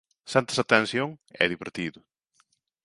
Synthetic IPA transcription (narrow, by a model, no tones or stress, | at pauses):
sɛnt̪ɪsat̪ẽnsjoŋɛ̰ðiβḛɾt̪iðʊ